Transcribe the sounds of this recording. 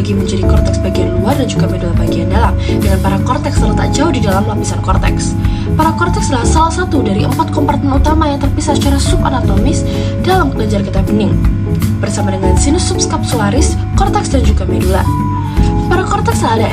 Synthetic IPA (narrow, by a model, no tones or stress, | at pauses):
ɡiməɲd͡ʒadikɔrt̪ɛksbaɡianluardand͡ʒuɡamɛdulabaɡiandalam | dəŋanpaɾakɔrt̪ɛkst̪ərt̪aʔd͡ʒaʊhdidalamlapisankɔrt̪ɛ̰ks | paɾakɔrt̪ɛksəlasalahsat̪udaɾiʔəmpat̪̚kɔmpart̪ɛnut̪amajaŋt̪ərpisasə̥t͡ʃaɾasupanat̪omɪs | d̥alamkəlaɲd͡ʒarkit̪abənɪŋ | b̥ərsamadəŋansinʊsupskap̚suaɾɪs | kɔrt̪ɛksdand͡ʒuɡamɛdula̰ | paɾakɔrt̪ɛkslalaʔ